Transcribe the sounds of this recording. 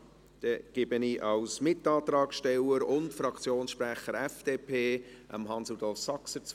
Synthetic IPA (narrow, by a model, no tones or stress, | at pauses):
d̥ɛɡ̥ɪbəniʔɑwsmɪtːɑːt̪rɑːkʃtɛwəɾʊntfɾɑkʰt͡sjoːnsʃpɾæχəɾɛfd̥eːpʰeːʔə̰mɦɑnsudɔlfsɑksət͡s